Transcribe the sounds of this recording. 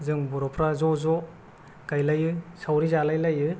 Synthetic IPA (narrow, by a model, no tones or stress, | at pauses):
zɯŋbuɾɔpʰɾazɔzɔ | kajlajɯsawɾizalajlajɯ